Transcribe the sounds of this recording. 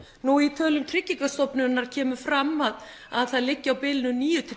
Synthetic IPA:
nuit̪ʰœːlʏmt̪ʰɾɪcːiŋkast̪ɔpnʏnːaɾ̥cʰɛːmʏfɾamːað | aðθaðlɪcːɪawpɪlnʏniːjʏt̪ʰɾɪ

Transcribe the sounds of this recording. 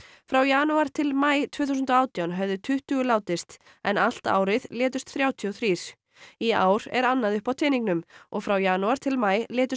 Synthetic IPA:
fɾawjaːnuaɾ̥t̪ʰɪlmaːjt̪ʰv̥ʏːθusʏnt̪ɔaːwt̪jawnɦɛvðʏt̪ʰʏht̪ʏɣʏlaːwt̪ɪst̪ | ɛnal̥t̪a̰ːwɾɪðlɛːt̪ʏst̪θɾjaːwt̪ʰiɔθɾiːɾ̥ | ia̰ːwɾ̥ɛ̰ɾanːaðʏhpawt̪ʰɪːniŋknʏmɔɣfɾawjaːnuaɾ̥t̪ʰɪlmaːjlɛːt̪ʏ

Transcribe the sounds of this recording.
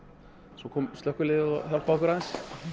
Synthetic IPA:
sɔkʰɔːmst̪œhkːʏɾlɪðɪðɔ̰çjal̥pakʏɾaðɛns

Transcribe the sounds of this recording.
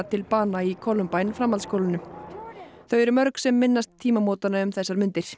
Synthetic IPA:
t̪ʰɪlpaːnaikʰɔlːʏmpajnfɾamːalskowlɪnʏ | θœɥɛɾʏmœɾksɛmːɪnːast̪ʰːiːmamoːt̪anaʏmθɛsːaɾmʏnt̪ɪɾ̥

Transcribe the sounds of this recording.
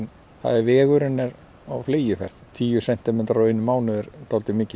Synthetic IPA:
n | θa̰ðɪvɛːɣʏɾɪnːɛɾ | a̰wfleːjɪfɛ̰r̥t̪t̪ʰiːjʏsɛn̥t̪ɪmɛːt̪ɾɔeːjnːʏmaːwnʏɛɾt̪ʰawlt̪ɪmɪːcɪ

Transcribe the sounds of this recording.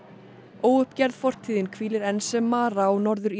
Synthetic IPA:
oːwʏhpcɛɾðfɔr̥t̪ʰiːðɪnkʰviːlɪɾɛnsɛmːaːɾawnɔɾðʏɾ

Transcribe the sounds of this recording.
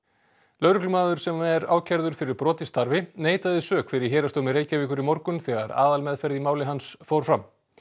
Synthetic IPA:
lœːɾʏklʏmaːðʏɾ̥sɛmɛɾaːwcʰaɾðʏɾ̥fɪɾɪɾ̥pɾɔːt̪ɪst̪ʰaɾvɪneːjt̪aðɪsœːkfɪɾɪɾ̥ɦeːɾast̪owmɪɾeːjcaviːkʏɾimɔɾkʏnθɛɣa̰ɾa̰ːðalmɛðfɛɾðimaːwlɪɦansfowɾ̥fɾam

